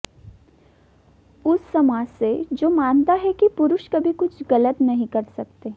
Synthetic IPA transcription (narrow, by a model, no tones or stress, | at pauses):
ʊsːɐmaːd͡ʒsed͡ʒoːmãːnt̪aɦɛkipʊɾʊʃkɐbʱikʊt͡ʃʰɡɐlət̪nɐɦĩkɐɾsɐk̚t̪eː